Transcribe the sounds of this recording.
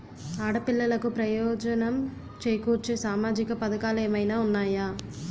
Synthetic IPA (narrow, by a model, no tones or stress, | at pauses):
aːɽɐpilːɐlɐkupɾɐjɔːd͡ʒɐnɐm | t͡ʃeːjkuːɾt͡ʃeːsaːmaːd͡ʒikɐpɐd̪ɐkaːleːmɐjnaːunːaːjaː